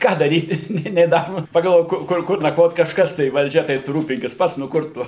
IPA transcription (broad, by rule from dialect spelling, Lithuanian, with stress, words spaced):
ˈkɑː dɐˈrʲiːtʲɪ ˈnʲeː nʲeː ˈnɑːmʊ pɐɡɐlˠˈʋoːk ˈkʊr ˈkʊr nɐkˈʋoːt kɐʃˈkɐs tɐɪ ʋɐlʲˈd͡ʒʲɛ tɐɪ tʊ ˈruːpʲɪŋʲkʲɪs ˈpɐts nʊ ˈkʊr tʊ